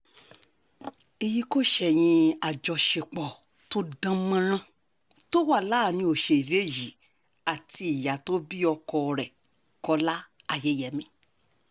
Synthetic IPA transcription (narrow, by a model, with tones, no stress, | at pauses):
e˨ji˦˧ko˦ʃɛ˨j̃ĩ˧a˨d͡ʒɔ˧ʃe˧k͡pɔ˨ | to˦dã˦mã˦ɾ̃ã˦ | to˦wa˦˨laː˦˨nĩ˧o˨ʃe˧˨i˨ɾe˨˦˨ji˨˦ | a˨ti˧i˨ja˨to˦bi˦ɔ˧kɔ˧ɾɛ˨ | kɔ˧la˦a˦˨je˨˦jɛ˨˦mĩ˦